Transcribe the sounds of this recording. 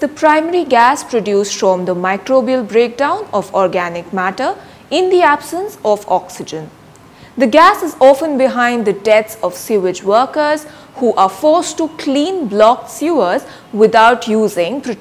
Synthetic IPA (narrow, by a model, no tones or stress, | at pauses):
d̪əpɾãɪməɾiɡæspɾoɖjuːsʈfɾɔ̃md̪əmaɪkɾoːbiəlbɾeːk̚ɖãʊ̃nɔfɔɾɡænɪk̚mæʈə | ɪ̃nd̪iæb̥sə̃nsɔfɔksɪd͡ʒə̃n | d̪əɡæsɪzɔːfə̃nbɪɦãɪ̃nɖ̪d̪əɖɛtsɔʋsjuːʋɪd͡ʒʋəːkəz | huːʔafɔɾsʈukʰlĩːnblɔk̚sjuəz | ʋɪd̪aʊʈjuːzɪ̃ŋpɾo